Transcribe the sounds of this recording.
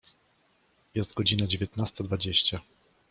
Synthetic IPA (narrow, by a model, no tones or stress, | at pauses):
jɛst̪ɡɔd͡ʑinad͡ʑevʲjɛt̪nast̪ad̪vad͡ʑeɕt͡ɕa